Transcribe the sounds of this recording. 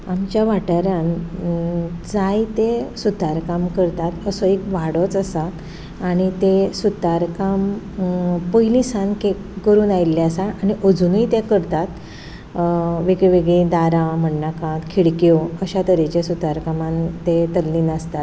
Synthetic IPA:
amt͡ɕjaʋaʈaɾjãn | d͡zajt̪esut̪aɾkamkəɾt̪at̪əsɔekʋaɽɔt͡səsat̪ | aɽ̃it̪esut̪aɾkam | pəjlisãnke | kəɾuːnajilːjasaañiʔəd͡zunəjt̪ekəɾt̪at̪ | ʋeɡɭeʋeɡɭed̪aɾãm̤əɳnakãt̪kʰiɽkjoəɕat̪əɾet͡ɕesut̪aɾkamant̪et̪əlːiːnast̪at̪̚

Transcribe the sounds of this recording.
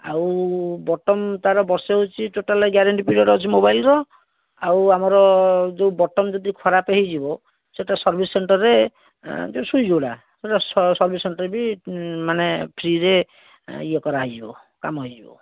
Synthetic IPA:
a̰wbɔʈɔmt̪aɾɔbɔɾseɦot͡ʃʰiʈoʈalɡjaɾeɳʈipiɖɔɾɔt͡ʃʰimobajlɾɔ | awamɔɾɔd͡ʒewbɔʈɔmd͡ʒɔd̪ikʰɔɾapeɦid͡ʒibɔ | seʈasɔɾbʱisːeɳʈɔɾːe | d͡ʒesujd͡ʒowla̰ | seʈasɔɾbʱiseɳʈɔɾbimanepʰɾiɾe | ijɔkɔɾaɦojd͡ʒibɔ̰ | ka̰mɦɔjd͡ʒibɔ̰

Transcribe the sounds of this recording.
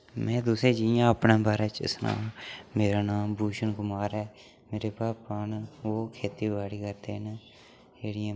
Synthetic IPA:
mɛ̃ːd̪ʊseːd͡ʒiːjãːəpnãːbaːɾeːt͡ʃɪ̰snã̰ːmeːɾaːnaːmbuːʃənɡʊmaːɾɛː | meːɾeːpaːaːnoːkʰeːt̪iːbaːɽiːkəɾt̪ḛːɦɪn | d͡ʒeːɽɪjãː

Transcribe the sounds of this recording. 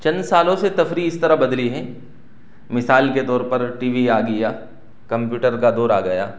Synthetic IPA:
t͡ʃɐ̃nd̪saːlõset̪ɐfɾiɪst̪ɐɾaɦbɐd̪liɦɛ̃ː | mɪsaːlket̪ɔːɾpɐɾʈiːʋiaːɡɐjaː | kɐ̃mpjuːʈəɾkad̪oːɾaːɡɐja̰ː

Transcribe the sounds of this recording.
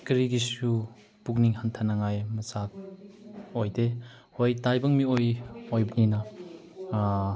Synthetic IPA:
kɾiɡisu | pukniŋhantʰanɐŋajmɐsak̚ | ojde | hojtajbɐŋmiojojbɐninɐ

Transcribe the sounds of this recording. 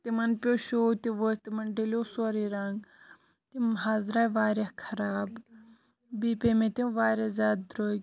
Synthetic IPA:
t̪imɐnpʲoːʃoːt̪iʋost̪imɐnɖeloːsoɾiːɾaŋɡ | t̪imɦaːzɾaːʋaːɾɐkʰɐɾaːb | biːpemẽt̪iʋaːɾɐzʲaːd̪̚d̪ɾoːɡʲ

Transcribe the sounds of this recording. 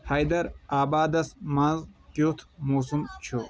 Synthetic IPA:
hɐjd̪ɐɾaːbaːd̪ɐsmazɡ̥ot̪ʰmuːsumt͡ʃʰu

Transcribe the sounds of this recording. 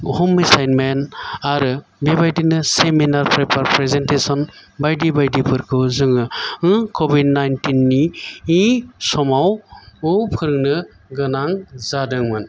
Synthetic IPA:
hɔmisajnmenaɾɯbebajdinɯseminaɾpɾepʰaɾpɾezentesɔnbajdibajdipʰɯɾkʰɯwzɯŋɯɯkʰɔbidnajntinːiisɔmawɔpʰɯɾɯŋnɯ | ɡɯnaŋzadɯŋmɯn

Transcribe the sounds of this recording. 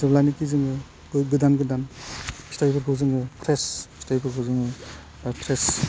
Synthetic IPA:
zɯblajnikizɯŋɯ | ɡɯdanɡɯdanstajpʰɯɾkʰɯwzɯŋɯpʰɾesstajpʰɯɾkʰɯwzɯŋɯ | apʰɾes

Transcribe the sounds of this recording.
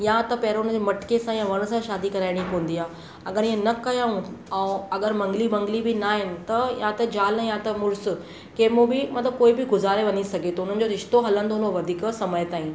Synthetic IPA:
jãt̪ɐpɐɦɪɾʊnə̃d͡ʑemɐʈɪ̥kesãjãʋɐɽ̃̆sãʃaːd̪ikɐɾaːɪɽ̃ikoːə̃n̆d̪iaː | ɐɠəɾɪɦə̃nɐkɐjaːũɛ̃ːɐɡəɾmɐ̃ŋɡlibɐ̃ŋɡlibɪnaːɦɪnɪ̆t̪ɐjãt̪ɐd͡ʑaːləjãt̪ɐmʊɾsʊ̆ | kemũbɪmɐt̪ləb̚koːibɪɡʊzaːɾeʋɐɲisɐɡʱet̪ɐʊn̤ənɪ̆d͡ʑoɾɪʃt̪oɦɐlə̃nd̪onoʋɐd̪ʱiːksɐməjt̪aːɦĩn

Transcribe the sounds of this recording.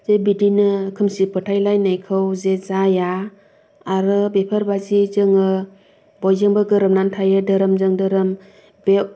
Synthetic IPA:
zebidinɯkʰɯmsipɯtʰajlajnajkʰɯwzezaja | aɾɯbepʰəɾbazizɯŋɯ | bɔjzɯŋbɯɡɯɾɯmnantʰajɯdɯɾɯmzɯŋdɯɾɯm | be

